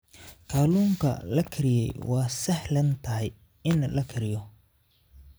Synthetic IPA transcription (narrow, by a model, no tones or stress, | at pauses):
kʰaːluːŋkʰɐ̰lɐkʰɪɾɪjɛ̰jwɑːsɐħlɐnt̪ʰɐɦɛj | ɪnlɐkʰɪɾɪjɔ